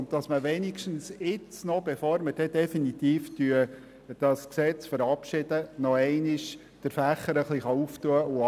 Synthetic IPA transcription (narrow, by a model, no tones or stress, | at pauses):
ʊnt̚tɑsməʋɛnikʃtn̩sɪt͡snɔbɛfɔːɾməd̥ɛd̪ɛfinit̪iːftyə | d̥ɑsksɛt͡sfəɾɑpʃɪd̥ənɔɛɪnɪʃ | d̥əɾfæχːəɾəχliχɑuftuəʔʊ